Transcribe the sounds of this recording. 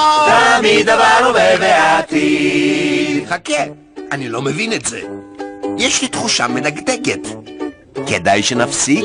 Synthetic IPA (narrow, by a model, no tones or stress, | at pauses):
t̪amid̪avanuveveat̪i | χake | anilo̞mevinetzḛ | jɛʃlit̪χuʃamenaɡdeɡet̪ | kedajʃenafsiɡ